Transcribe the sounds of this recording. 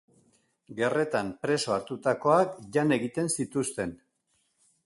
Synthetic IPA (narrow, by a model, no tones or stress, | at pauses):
ɡe̞re̞t̪ampɾe̞so̞aɾt̪ut̪ako̞akʝane̞ɣit̪e̞nsit̪ust̪e̞n